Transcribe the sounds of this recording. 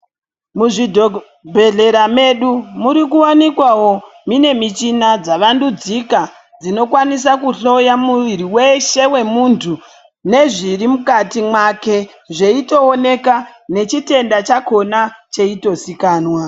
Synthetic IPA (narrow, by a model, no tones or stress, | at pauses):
muʐidʱo | bʱe̞ɮe̞ɾame̞ɗumuɾik̬uwanikwawo̞ | mine̞mit͡ʃinad͡zaʋandud͡zika | d͡zino̞kwanis̬akuɬo̞jamuʋiɾiwe̞ʃe̞we̞muntʰu | ne̞ʐirimukatimwake̞ | ʐe̞ito̞ːne̞ka | ne̞t͡ʃite̞ndat͡ʃako̞nat͡ʃe̞ito̞sikaːnwa